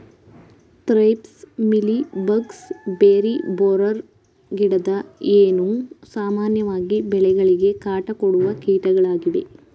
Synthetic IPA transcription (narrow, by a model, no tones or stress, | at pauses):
t̪ɾɐjpsmilibɐɡsbeːɾiboːɾɐɾ | ɡiɽɐd̪ɐeːnusaːmaːnjɐʋaːɡibɛɭɛɡɐɭiɡe̞kaːʈɐkoɽuʋɐkiːʈɐɡɐɭaːɡiʋe̞̰